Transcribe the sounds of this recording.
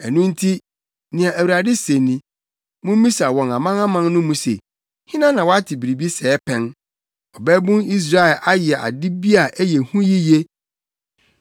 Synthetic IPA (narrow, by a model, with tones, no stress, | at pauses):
ɛ˨nũ˦n̩˦tʰi˦ | nɪ̃˨a˨ʔæ˨wu˨ɾa˨dɪ˦sẽ˨nĩ˦ | mʊ̃˦mĩ˦sa˨wɔ̃˨na˨mã˦nã˦mã˦n˦nʊ̃˦mũ˦sḛ˨ | hɪ̃˦nã˦nã˨wɔ˦a˦tʰɪ˨bi˨ɾi˨bi˦sɛː˨˦pʰɛ̃˨n | ɔ˨bɛ˦bʊ̃˦ni˦s̬ɾa˦ɛ˨lʔa˦jɪ˨ɛ˨ʔa̰˨dɪ˦bi˦a˨ʔæ˦jɛ˨hũ˦ji˦je˦